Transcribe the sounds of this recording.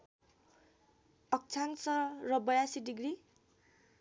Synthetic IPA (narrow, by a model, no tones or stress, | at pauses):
ʌk̚t͡sʰaŋsʌrʌbʌjasiɖiɡri